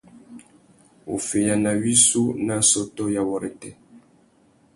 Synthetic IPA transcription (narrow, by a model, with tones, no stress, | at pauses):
o̰˨fe˨ja˨na˨ɥi˦su˦na˦sɔ˦tɔ˦ja˨wɔ˨ɾɛ˨tɛ˨